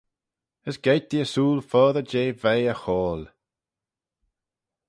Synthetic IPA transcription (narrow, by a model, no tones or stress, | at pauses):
əsɡ̥ejt̪̚d̪iəsuːlfɔːðəd͡ʒeːvejəxɔːl